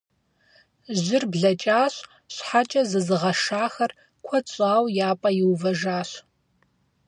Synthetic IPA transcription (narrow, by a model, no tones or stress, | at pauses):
ʒɪrbɮɐt͡ʃʼaːɕ | ɕħat͡ʃʼɐzɨzɨʁɐʂaːxɐr | kʷʰɔt͡ɕʼaːwjaːpʼɐjɪwvɐʒaːɕ